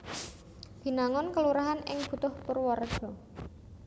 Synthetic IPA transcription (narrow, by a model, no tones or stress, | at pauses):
b̥i̤naŋɔnkəluɾaɦanɪ̰ŋb̥ṳt̪ʊhpʊrwɔrɖ̥ɔ̤